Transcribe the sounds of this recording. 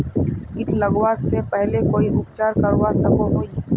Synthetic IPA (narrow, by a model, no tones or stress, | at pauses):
ɪnʰlɐɡʋasepɛɦlekoːiɦʊkt͡ʃaːɾkɐɾʋasɐkoɦoːi